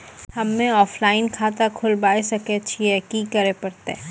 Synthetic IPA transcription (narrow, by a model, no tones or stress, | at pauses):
hɐmːẽɔːflaːɪnkʰaːt̪akʰʊlbaːesɐket͡ʃʰiɛkikɐɾepɐɾt̪e